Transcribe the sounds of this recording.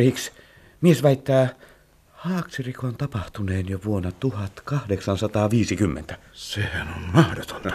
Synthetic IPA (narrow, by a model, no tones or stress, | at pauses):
riːks | miesʋæˑit̪ːæː | hɑːksirikont̪ɑpɑht̪uneːnjoʋuonːɑt̪uhɑt̪kɑhdeksɑnsɑt̪ɑːʋiːsikymːḛnt̪æsehænonmɑhdot̪o̥nːɑ